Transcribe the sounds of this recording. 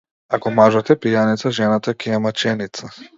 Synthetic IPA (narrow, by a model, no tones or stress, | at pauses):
akɔmaʒat̪ɛpijanit̪saʒɛnat̪akʲɛɛmat͡ʃɛnit̪sa